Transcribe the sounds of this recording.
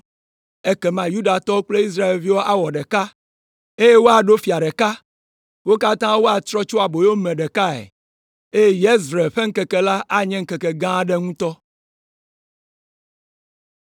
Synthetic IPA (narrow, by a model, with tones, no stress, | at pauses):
e˦kɛ˨mã˨ju˦ɖa˨t̪ɔ˦k͡ple˦i˦s̬ɾa˦e˨lvi˦wo˦ʔa˦wɔ˨ɖɛ˨ka˦ | e˦je˦wo˦a˨ɖo˦fi˨a˨ɖɛ˨ka˦ | wo˦ka˦t̪ã˦wo˦a˨t̪ɾɔ˦t͡ʃo˦a˨bo˨jo˦mɛ̃˨ɖɛ˨ka˦ḛ˨ | e˦je˦jɛ˦zɾe˨ɸe˦ŋ̩˦kɛ˨kɛ˨la˦ʔa˦ɲɛ̃˦ŋ̩˦kɛ˨kɛ˨ɡã˦ɖɛ˦ŋũ˦t̪ɔ˦